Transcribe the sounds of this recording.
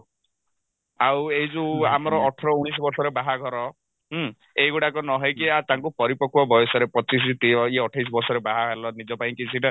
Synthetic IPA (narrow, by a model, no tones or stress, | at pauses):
aweɦid͡ʒua̰mɔɾɔːʈʰɔɾɔuɽ̃isɔbɔɾsɔɾebaɦaɡʱɔɾɔ | ɦ | ejɡuɽakɔnɔɦɔjkiat̪aŋkupɔɾipɔkʰuɔbɔjɔsɔɾepɔt͡ʃis̬it̪iɔiɔʈʰajs̬ɔbɔɾsɔɾebaɦaɦelɔnid͡ʒɔpaĩkisʰiʈɔ